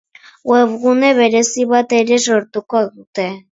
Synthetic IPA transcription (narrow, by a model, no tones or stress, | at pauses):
weβɣune̞βe̞ɾe̞siβat̪e̞ɾe̞soɾt̪ukoðut̪e̞